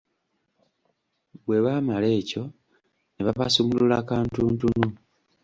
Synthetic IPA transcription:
βwe̞βamale̞ːco̞ | neβaβasomululaːkaːntuːntunu

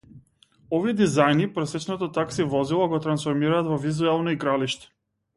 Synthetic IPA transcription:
ɔviɛd̪izajnipɾɔsɛt͡ʃnɔt̪ɔt̪aksivɔzilˠɔɡɔt̪ɾansfɔɾmiɾaːt̪vɔvizuɛlˠnɔiɡɾaliʃt̪ɛ̥

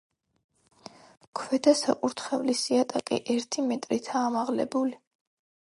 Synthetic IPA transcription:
kʰwɛd̪asa̰kʼuɾt̪ʰχɛvlisiat̪ʼakʼḭʔɛɾt̪ʰimɛt̪ʼɾit̪ʰaːmaʁlɛ̰buli

